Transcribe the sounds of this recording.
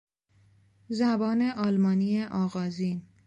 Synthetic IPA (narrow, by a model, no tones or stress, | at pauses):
zæbɒːne̞ʔɒːlmɒːnijeʔɒːɣɒːziːn